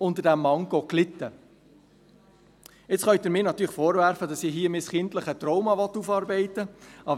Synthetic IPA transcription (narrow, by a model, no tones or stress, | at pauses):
ʊnt̪ədæmːɑŋɡ̥ɔklɪt̪ːə | ɪt͡sχœʏtɪɾmɪːnɑt̪ːyːɾχfoːɾvæɾfədɑsiɦiːəmɪsχɪntləχət̪rɔʊmɑʋɔt̪ːufɑːɾbɛɪtəʔɑb